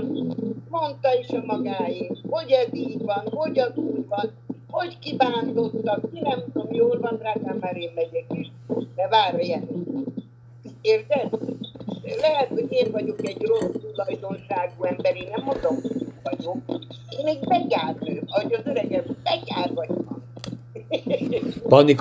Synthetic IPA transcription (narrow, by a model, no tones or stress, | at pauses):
mo̞nt̪ɒiʃɒmɒɡaːerho̞ɟɒd̪iːdvɒnɦo̞ɟɒzuːjʋɒn | ho̞ckibaːnd̪o̞t̪ːɒkmiɾɛmd̪omjoːlvɒnraːɡ̪aːmmaːɾeːnmɛɟɛkyʃ | d̪ɛvaːɾjɛnɛ | eːrzɛt̪ | lɛɦɛt̪hoɟeːnvɒɟo̞kɛɟrosulɒjd̪o̞nʃaːɡuɛmbɛɾeːnnɛmːo̞nd̪omhoɟeːvɒɟok̚ | eːnmeːɡbɛɡaːrøːɒoɟɒzøɾɛɡɛmbɛɡaːlvɒɟvɒn | pɒnik